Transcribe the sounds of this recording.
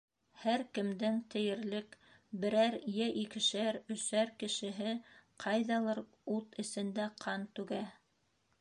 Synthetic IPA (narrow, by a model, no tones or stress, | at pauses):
hæɾkɘ̆md̪ɘŋt̪ɘ̆jɘ̆ɾlɘk | bɘ̆ɾæɾjæʔikɘ̆ʃæɾɵ̆sæɾkɘ̆ʃɘ̆ɦɘqʰɑjðɑlˠɤɾ | ut̪ɘ̆sɘ̆nd̪æqʰɑnt̪ʉɡæ